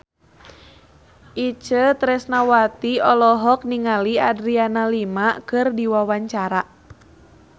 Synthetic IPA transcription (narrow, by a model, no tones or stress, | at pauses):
ʔit͡ʃət̪ɾɛsnawat̪iɔlɔɦɔk̚niŋaliadɾianalimakɨrdiwawaɲt͡ʃaɾa